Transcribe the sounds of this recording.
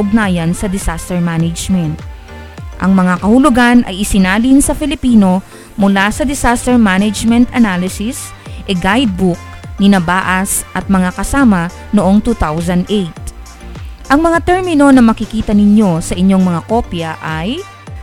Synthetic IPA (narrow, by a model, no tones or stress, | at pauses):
ʊɡ̚naːjɐnsɐd̪ɪsast̪ɛɹmanɐd͡ʒmɛnt̪̚ | ʔɐŋmɐŋakɐhʊlʊɡanʔɐ̰jʔɪsɪnaːlɪnsɐfɪlɪpiːno̞ | mʊlasɐd̪ɪsast̪ɛɹmanɛd͡ʒmɛnt̪ɐnalɪsɪs | ʔɛɡajd̪̚buk̚nɪnɐbaːʔɐsʔɐt̪̚mɐŋakɐsaːmɐ | noʔoŋt̪uːt̪awsɐnd̪ʔejt̪̚ | ʔɐŋmɐŋat̪ɛɹmɪno̞nɐmɐkɪkiːt̪ɐnɪɲjo̞sɐʔɪɲo̞ŋmɐŋako̞pjɐʔaj